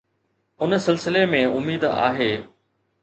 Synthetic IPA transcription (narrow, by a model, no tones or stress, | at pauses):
ʊnsɪlsɪlemẽʊmiːd̪a̰ːɦeː